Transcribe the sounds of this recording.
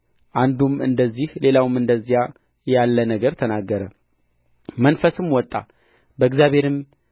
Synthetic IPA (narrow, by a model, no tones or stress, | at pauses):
ʔand̪umɨ̰nd̪əzːihle̞lawmɨnd̪əzːija | jalːənəɡəɾt̪ʰənaɡːəɾə | mənfəsɨmwɔt̪ʼːa̰ | bəɨɡzjaβe̞ɾɨm